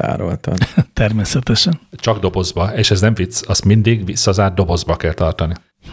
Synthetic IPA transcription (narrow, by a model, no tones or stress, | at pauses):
a̰ːɾo̰lt̪ɒ̰t̪ɛrmeːsɛt̪ɛʃɛnt͡ʃɒɡd̪o̞bo̞zbɒeːʃɛznɛɱvit̪sɒst̪mind̪iɡʋisːɒzaːrd̪o̞bo̞zbɒkɛlt̪ɒrt̪ɒni